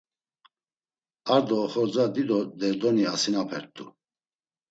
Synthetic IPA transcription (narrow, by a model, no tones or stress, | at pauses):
aɾd̪ɔːχɔɾd͡zad̪id̪ɔd̪ɛɾd̪ɔniasinapʰɛɾt̪ʰʼṵ